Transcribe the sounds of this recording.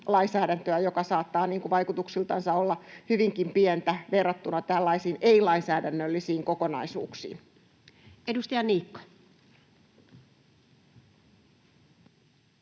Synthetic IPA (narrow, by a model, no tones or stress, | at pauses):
lɑinsæːdænt̪øæjokɑsɑːt̪ːɑːniːŋkuʋɑikut̪uksilt̪ɑnsɑolːɑhyʋiŋkimpiɛnt̪æʋerːɑt̪ːunɑt̪ælːɑisiːneilɑinsæːdænːølːisiːŋkokonɑ̰isṵːksḭːn | edust̪ɑjɑniːkːɑ̥